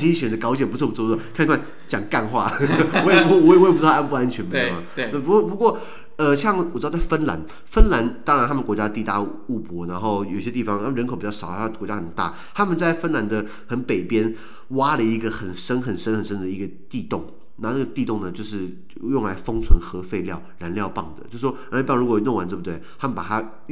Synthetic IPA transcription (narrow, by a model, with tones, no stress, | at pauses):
t͡ɕʰi˥i˥˩ɕɥɛ˨˩d̪ə˦kɑ˧˥ʊt͡ɕjɛ˨˩npu˥ʂ̩˥˩p̩˧˥˧ɔ˥˧˩kʰi˧˥kʰa˥˨n | t͡ɕjɑ˨˩ŋka˥˧nxwa̰˥˩wɔ˧˥jɛ˨˩wwpu˥a˥npu˥˧a˥nt͡ɕʰɥɛ˧˥np̩˧˥˧a˨˩n˥˩pu˧ɔ˥˩pu˧˥kwɔ˥˩ | ə˧ɕjɑ˥˩ŋwɔ˨˩t͡ɕɻ̩˥˧˩t͡sa˥˩ɪfə˥nla̰˧˥n | fə˥nla˧˥nt̪ɑ˥ŋɻnt̪ʰa˥mə˨kwɔ˧˥t͡ɕja˥t̪i˥˧˩t̪a̰˥˧ | u˥˩pwɔ˧˥na˧˥nxo˥˩ʊjo˨˩ʊɕjɛ˥t̪i˥˩fɑ˨˦ŋt̪ʰa˥m˨nɻnkʰo˨˩ʊpi˨˩t͡ɕɑ˥˩ʂɑ˨˩˦t̪ʰa˥ə˨kɔ˧˥t͡ɕja˥xə˨˩nt̪a̰˥˩ | t̪ʰa˥mə˨nt͡sa˥˩ɪfə˥nla˧˥nd̪ə˧ | xə˧˥npe˨˩ɪpjɛ˥n | wa˥lə˨i˧˥ɡə˧xə˨˩nʂə˥nxə˨˩nʂə˥nxə˨˩nʂə˥nd̪ə˨i˧˥ɡə˧t̪i˥˧t̪ʊ˥˩ŋ | na˥˧na˥˩ɡə˩t̪i˥˧t̪ʊ˥˩ŋnə˩t͡ɕjo˥˧ʊʂɻ̩˥˩ | jʊ˥˩ŋla˧˥ɪfɤ˥ŋt͡sʰwə˧˥nxɤ˧˥fe˥˧ɪljɑ˥˩ʊɻa˧˥nljɑ˥˧ʊpɑ˥˩ŋd̪ə̰˩t͡ɕjʂ̩˥˩wɔ˥ɻa˧˥lpɑ˥˩˧ɻu˥kwɔ˨˩˥nʊ˥˩ŋwa˧˥nʈ͡ʂɤ˥˧˩bu˧t̪we˥˩ɪt̪ʰa˥mə˨npa˨˩t̪ʰa˥